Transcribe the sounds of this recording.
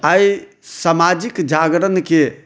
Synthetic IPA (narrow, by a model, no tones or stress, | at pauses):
ai | samad͡ʒikd͡ʒʱaɡɾənke